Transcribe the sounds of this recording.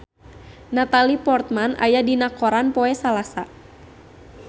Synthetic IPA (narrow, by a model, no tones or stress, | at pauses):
nat̪alipɔrt̪̚mana̰jadinakɔɾanpɔɛsalasa